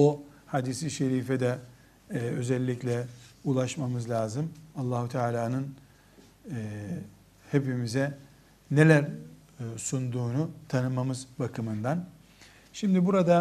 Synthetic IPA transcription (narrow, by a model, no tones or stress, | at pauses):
o | had̪isiʃeɾiːfɛd̪ɛ | ø̞zɛlʲːiclʲɛulˠaʃmamɯzlʲaːzɯmalˠːaːɦut̪ʰaːlʲaːnɯn | hepimizɛ | ne̞lʲæɾ | sund̪uːnut̪ʰanɯmamɯzbakʰɯmɯnd̪an | ʃimd̪ibuɾad̪a